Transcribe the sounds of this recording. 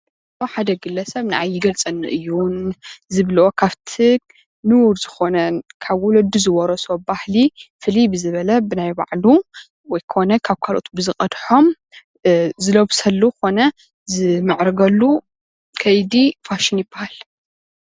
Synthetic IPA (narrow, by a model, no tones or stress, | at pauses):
oħad̪ɐɡɨlːɐsɐβnaʕajːɪɡɐlt͡sʼɐnːɨʔɨjːunzɨβlʔokʰaβt̪ʰɨk | nɨwuɾzɨxo̞nɐnkʰaβwɔlɐd̪uzɨwɔɾɐsobahlifɨlibɨzɨβɐlɐbɨnajba̰ʕlu | wɔjkʰɨxonɐkʰaβkʰalʔo̞̰t̪ʰbɨzɨχʼɐd̪ħo̞m | zɨloβsɐlːuko̞nɐ | zɨmɨʕɾɐɡɐlːu | kʰɐjd̪ifaʃɪnjɪbahal